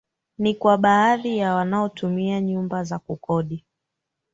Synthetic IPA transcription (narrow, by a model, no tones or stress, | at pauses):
nikwaɓaaðijawanaɔtʰumiaɲumbazakukɔɗi